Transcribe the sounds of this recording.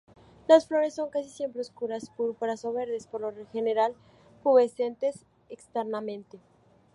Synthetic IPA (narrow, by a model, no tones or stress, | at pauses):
lasflo̞ɾe̞sːo̞ŋkas̬isje̞mpɾeoskuɾaspoɾpaɾasoβe̞ɾðespoɾlorexe̞neɾal | puβese̞nt̪e̞s | ekst̪eɾnamẽnt̪e̞